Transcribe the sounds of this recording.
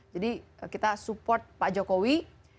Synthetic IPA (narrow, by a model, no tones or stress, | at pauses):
d͡ʒadikit̪asupɔrt̪̚pad͡ʒokowi